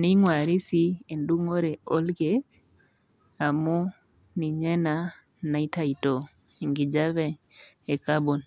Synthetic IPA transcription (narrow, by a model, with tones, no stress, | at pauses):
ni˦ŋwa˨ɾi˦si˦e˨ndu˦ŋo˦ɾɛ˨ɔ˦lɡe˦k | a˨mu˦ | ni˨ɲɛ˦na˨ | na˨i˦ta˦i˨to˨ | i˨ŋɡi˨d͡ʒa˦βɛ˦e˨ka˦bo˨n